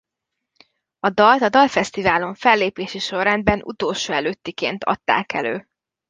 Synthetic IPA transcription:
ɒd̪ɒlt̪ɒd̪ɒlfɛst̪ivaːlo̞ɱfɛlːeːpeːʃiʃo̞rrɛnd̪bɛnʔṵt̪oːlʃoːɛløt̪ːikḛːnt̪ʰɒ̰t̪ːa̰ːkɛ̰lø̰ː

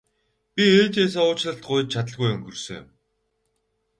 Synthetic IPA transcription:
pʲieːt͡ɕeːs̬aːʊːt͡ɕɮə̆ɬt̪̚ɢʊj̆t͡ɕ̚t͡ɕʰat̪̬ə̆ɮɣujʊŋɡɵrsɵ̆ŋjʊ̰m

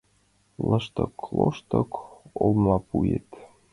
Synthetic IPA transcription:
ləʃt̪əklˠoʃt̪ɤkolmlɑpujḛt̪

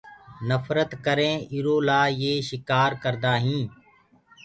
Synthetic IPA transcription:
nəfɾət̪kəɾẽːɪɾoːlaːjeːʃɪkaːɾkəɾd̪aːɦĩː

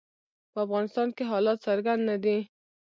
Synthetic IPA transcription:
pəafɣɑnɪst̪ɑnkeɦɑlɑt̪saɾɡand̪nad̪i

